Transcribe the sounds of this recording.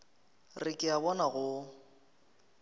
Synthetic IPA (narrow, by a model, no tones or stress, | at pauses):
rɪkʼɪabɔnaɣʊ